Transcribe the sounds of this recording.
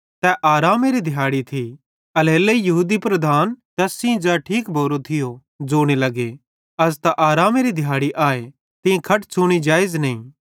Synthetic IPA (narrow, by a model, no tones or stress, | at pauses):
t̪ɛʔaːɾaːmeɾid̪ʱɪjaːɽit̪ʰi | ɐleːleijɐɦuːd̪ipɾɐd̪ʱaːnt̪ɛsɪ̃d͡zɛʈʰiːkbʱoːɾot̪ʰɪjo | d͡zoːɽ̃elɐɡe | ɐs̬t̪aʔaːɾaːmeɾid̪ʱɪjaːɽiʔaːe | t̪ɪ̃ẽkʰɐʈt͡ʃʰʊːɽ̃id͡ʒaːɪznɐĩː